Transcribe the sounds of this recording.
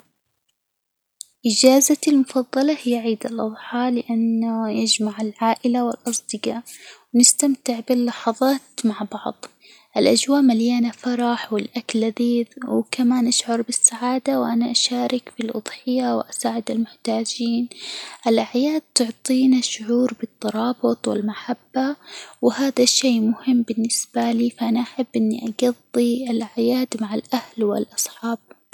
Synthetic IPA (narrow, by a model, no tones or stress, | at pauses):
ʔɪd͡ʒaːzalmʊfɑðˤːɑlɑhɪjːaʕiːd̪alʔɑðˤħɑːlɪʔanːajɪd͡ʒmaʕalʕaːʔɪlawɪlʔɑsˤd̪ɪɡaːʔwnɪst̪amt̪ɪʕbɪlːɑħɑðˤɑːt̪maʕbɑʕðˤ | ʔɪlʔad͡ʒwaːʔmaljaːnafɑɾˤɑħwɪlʔaklʔaðiːðwkamaːnʔaʃʕʊɾˤbɪsːaʕaːd̪awʔanaʔaʃaːɾɪkfilʔʊ̰d̪ˤħɪjawʔasaːʕɪd̪ɪlmʊħt̪aːd͡ʒiːnʔɪlʔaʕjaːd̪̚t̪ʊʕt̪ˤiːnaʃʊʕuːɾbɨt̪ˤːɑɾˤɑːbɨt̪ˤwɪ̰lmaħabːawhaːðaʃeːmʊhɪmːbɪnːɪsb̥aliːfaʔanaʔaħabːʔɪnːiʔaɡɑðˤːiɪlʕjaːd̪maʕalʔahlwɪ̰lʔɑsˤħɑːb̚